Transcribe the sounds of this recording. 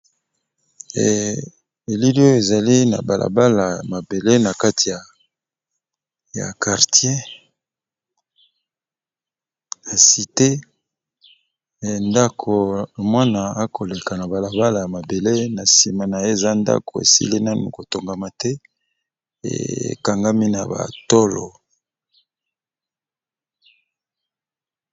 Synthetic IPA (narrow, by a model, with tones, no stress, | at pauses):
e˨li˦li˦o˦jo˦e˨za˨li˦na̰˨ba˨lʔa̰˨ba˦la˨ja˨ma˨be˨le˦na˨ka˦ti˨ja˨ | ja̰˨ka˨ʁtje˦ | ja˨si˨te˦˨ | nda˦kʰo˨mwa˦na˨a˦kʰo˨le˨ka˨na˨ba˨la˨ba˦la˨ja˨ma˨be˨le˦na˨si˨ma˨na˨je˦˨za˦nda̰˦ko˨ḛ˨sḭ˦li˦na˦nṵ˨ko˨to˨ŋɡa˨ma˨tɛ˦ | ḛ˨ka˨ŋɡa˦mi˦na̰˨ba̰˨to˦lo̰˨